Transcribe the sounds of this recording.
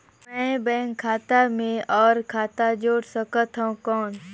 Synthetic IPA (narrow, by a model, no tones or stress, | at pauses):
mɛ̃ːbɛ̃ːŋkʰːaːt̪amẽɔːɾkʰaːt̪ad͡ʒoːɽsəkət̪ɦaũkɔːn